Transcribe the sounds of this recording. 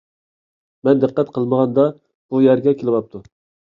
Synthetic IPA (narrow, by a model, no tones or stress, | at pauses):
mɛnd̪ɨqːɛt̪qʰəlˠməʁɑnd̪ɑ | b̥ujæɾɡʲɛkʲʰelɪwɑp̚t̪ʰu